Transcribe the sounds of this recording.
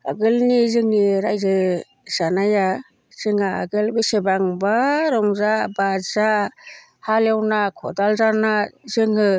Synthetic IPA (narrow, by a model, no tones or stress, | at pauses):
a̰ɡɯlnizɯŋniɾajzɯ | z̥anaja | z̥ɯŋaa̰ɡɯlbɯsebaŋbaɾɔŋzabaza | halewnakʰɔ̰dalzanazɯŋɯ